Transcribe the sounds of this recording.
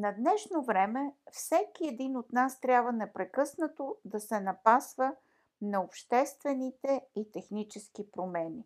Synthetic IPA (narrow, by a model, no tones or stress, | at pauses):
nɐd̪nɛʃnovɾɛmɛfsɛkiɛd̪inot̪nast̪ɾʲabvənɛpɾɛkɤsnət̪od̪ɐsɛnɐpasvə | nɐopʃt̪ɛst̪vɛnit̪ɛit̪ɛxnit͡ʃɛskipɾomɛni